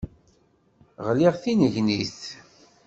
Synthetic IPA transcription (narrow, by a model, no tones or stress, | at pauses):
ʁliʁθinəʝniθ